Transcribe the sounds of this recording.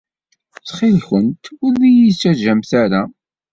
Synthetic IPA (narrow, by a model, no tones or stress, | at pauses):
t͡sχɪlçənt̪ʊɾðijisːæʒæmθaɾa